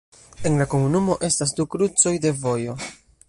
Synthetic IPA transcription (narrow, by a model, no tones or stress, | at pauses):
e̞nlako̞munumo̞ʔe̞stas̬dukɾut͡so̞jde̞vo̞jo̞